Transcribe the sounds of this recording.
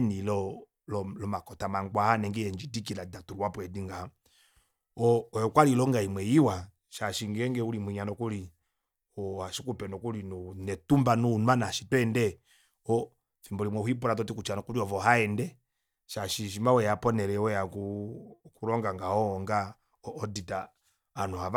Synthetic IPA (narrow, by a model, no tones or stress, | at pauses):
nilɔ | lɔlɔmakɔtamaŋɡwahanɛŋɡɛjɛɲd͡ʒidikiladatuɾuwapwɛdiŋɡa | ɔɔjɔkwalilɔŋɡaimwɛjiwa | ʃaʃiŋɡɛŋɡɛulimwiɲanɔkuli | ɔhaʃikupɛnɔkulinunɛtumbanunwanaʃitɛndɛ | ɔ | fimbɔlimwɛhwip̬uɾat̬ɔtikut͡ʃanɔkuɾiɔvɔhaɛndɛ | ʃaʃiʃ̬imawɛjapɔnɛɾɛwɛjakukuɾɔŋɡaŋɡahɔŋɡaː | ditaː | nuhav